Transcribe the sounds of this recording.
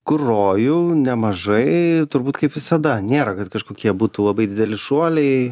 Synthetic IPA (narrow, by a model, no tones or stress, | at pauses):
kʊroːjunʲɛmɐʒɐɪt̪ʊɾbuːt̪kɐɪpʋʲɪsɐd̪ɐnʲeːɾɐkɐt̪kɐʃkoːkʲiɛbuːt̪uːlˠɐbɐɪd̪ʲɪd̪ʲɛlʲɪʃuɔlʲɛɪ